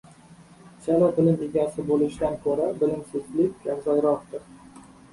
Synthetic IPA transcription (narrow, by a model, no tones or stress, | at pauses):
t͡ʃʰalab̪ɪlɪmeɡʲasɪbolɪʃɪd̪ankʰɵɾabɪlɪmsezlɪkʲɡʲaɾzalɾɒqt̪ɪɾ